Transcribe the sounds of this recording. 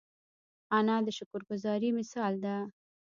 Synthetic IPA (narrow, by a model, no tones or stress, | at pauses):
anɑd̪əʃʊkʊɾɡʊzɑɾimɪsɑld̪a